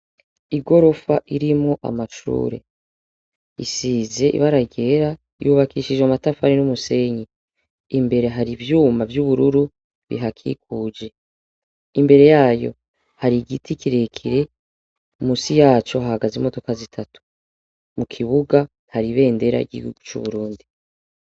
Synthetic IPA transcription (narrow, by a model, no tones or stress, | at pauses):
iɡo̞ɾo̞faʔiɾimŋoʔa̰maʃṵːɾe̞̰ | ḭsiːze̞ʔḭβaɾaɟe̞ɾa | ijuβakiːʃid͡ʒwamatafaɾinumuse̞ɲi | imbe̞ɾe̞ɦaɾivjuːmavjuβuɾuɾu | βḭɦakʰḭkuːd͡ʒe̞ | imbe̞ɾe̞jaːjo̞̰ | haɾiɡitʰikiɾekʰiɾe̞ | umuːsijaːt͡ʃo̞hahaɡazimo̞to̞kazitʰatu̥ | mukʰiβuɡa | haɾiβe̞ːnde̞ɾa̰iɟḭhṵɡ̥ut͡ʃṵβuɾuːndi